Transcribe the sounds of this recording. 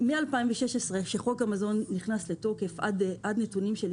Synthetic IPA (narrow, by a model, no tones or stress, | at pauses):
mialpaiɱveʃeʃesʁeʃeχo̞kamazo̞nːiχnasleto̞ke̞fadʔadnetunimʃel